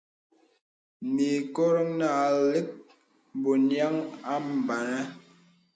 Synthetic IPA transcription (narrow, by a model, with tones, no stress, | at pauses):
mi˨kɔ˦ɾɔ˦ŋna˦˨li˦k̚ | bo˨nja˦ŋa˦m̩˨ba˨nɛ˦